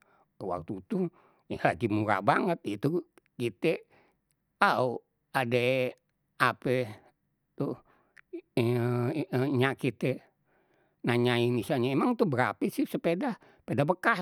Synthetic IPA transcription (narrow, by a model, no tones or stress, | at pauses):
wa̰k̚t̪ut̪uh | laɡimuɾa̰baŋət̪̚it̪u | kit̪e | au | ade | apə | t̪u | ɲaʔkit̪ɛ | naɲainisalɲaemaŋt̪ubəɾa̰pisihsəpedah | pedabəka